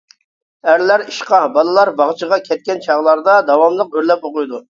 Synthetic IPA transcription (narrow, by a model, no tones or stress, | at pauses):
æɾlæɾiʃqɑbɑlˠɨlˠɑɾbɑʁt͡ʃʰəʁɑkʲʰɛt̪̚kʲɛnt͡ʃʰɑʁlˠɑɾd̪ɑd̪ɑwɑmlˠəqøɾlɛp̚boqojd̪u